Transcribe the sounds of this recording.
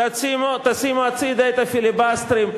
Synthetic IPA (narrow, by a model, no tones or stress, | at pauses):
ɐt͡simot̪ɐsimoɐt͡siːd̪ɐjt̪ɐfilibaːst̪ɾim